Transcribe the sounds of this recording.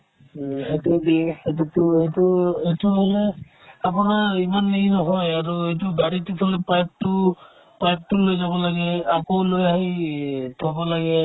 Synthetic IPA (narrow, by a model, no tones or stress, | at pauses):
ɦetubietutʊejtuejtuɦɔlɛ | apʊnaɹimanːiinɔɦɔjaɹuejtubaɹitikʰɔlɛpajp̚tʊ | pajp̚tulojzabɔlaɡɛakowlojaɦitʰɔbɔlaɡɛ